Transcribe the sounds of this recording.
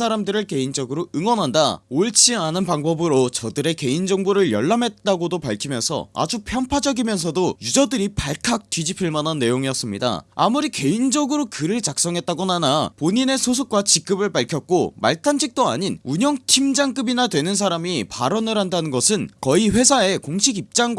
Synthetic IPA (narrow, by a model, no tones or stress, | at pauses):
sʰaɾamdɯɾɯɭke̞ind͡ʑʌɡɯɾoɯŋwʌnɦandaoɭt͡ɕʰianɯnpaŋbʌbɯɾot͡ɕʌdɯɾe̞ke̞ind͡ʑʌŋbuɾɯɭjʌɭːamɦe̞t̚t͈aɡodopaɭkʰimjʌnsʰʌ̰a̰d͡ʑupʰjʌmpʰad͡ʑʌɡimjʌns̬ʰʌdojud͡ʑʌdɯɾipaɭkʰak̚t͈ɥid͡ʑipʰiɭmananːe̞joŋijʌs͈ɯmɲida̰a̰muɾike̞ind͡ʑʌɡɯɾokɯɾɯɭt͡ɕak̚s͈ʌŋɦe̞t̚t͈aɡonanapoɲine̞sʰosʰok̚k͈wat͡ɕik͈ɯbɯɭpaɭkʰjʌk̚k͈oma̰ɭtʰanɕʰik̚t͈oa̰ɲinuɲʌŋtʰimd͡ʑaŋk͈ɯbinadwe̞nɯns̬ʰaɾamipa̰ɾʌnɯɾɦandanɯnɡʌsʰɯnkʌiɸwe̞sʰae̞koŋɕʰiɡip̚t͡ɕ͈aŋɡ